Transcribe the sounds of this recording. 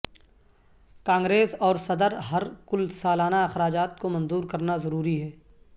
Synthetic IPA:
kãːŋɡɾeːsɔːɾsɐd̪əɾɦɐɾkʊlsaːlaːnaɐxɾaːd͡ʒaːt̪̚komɐ̃nzuːɾkɐɾnazɐɾuːɾiɦɛː

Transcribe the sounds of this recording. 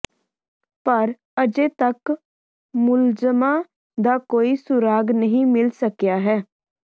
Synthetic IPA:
pəɾ | əd͡ʒeːt̪ək | mʊlzəmãː | d̪aːkoːiːsʊɾaːɡnəɦĩːmɪlsəkjaːɦɛː

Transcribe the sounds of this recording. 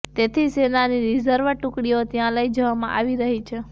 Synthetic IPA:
t̪et̪ʰisenaniɾizəɾʋəɾʈũkɽiot̪jãləjd͡ʒəʋamã̰ʔaʋiɾəɦit͡ʃʰe

